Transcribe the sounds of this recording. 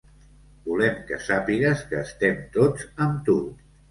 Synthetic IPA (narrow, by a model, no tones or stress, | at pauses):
bulɛmkəsapiɣəskəːst̪ɛmt̪od͡zəmt̪ut̪